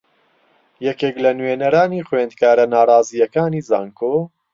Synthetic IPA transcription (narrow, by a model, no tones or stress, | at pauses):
jɛkeːklɐnweːnɐɾaːniːχweːnd̪̚kaːɾɐnaːɾˤɑːzijɐkaːniːza̰ːŋkʰoː